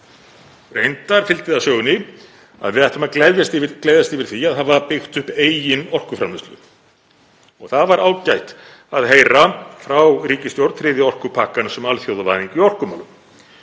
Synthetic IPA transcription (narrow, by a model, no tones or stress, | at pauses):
rejnt̪aɾ̥fɪlt̪ɪðasjœːɣʏnɪ | a̰ðvɪðaht̪amaklɛðjast̪ivɪkleːjðast̪ivɪɾ̥θiaðhavapɪxt̪ʏhpeːjjɪnɔr̥kʏfɾamɪst̪lʏ̰ | ɔɣθaðvaɾʔaːwcajht̪ | aðɦeːjɾafɾawriːcɪst̪jowɾt̪fɾɪːðɪɔr̥kʏpʰaːkansɛmalθjowðʏvajðiŋcʏiɔr̥kʏmaːlʏm